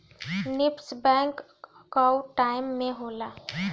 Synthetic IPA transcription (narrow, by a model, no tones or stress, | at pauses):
nɪpsbɛ̃ːŋk | kawʈaːɪmːẽɦoːlaː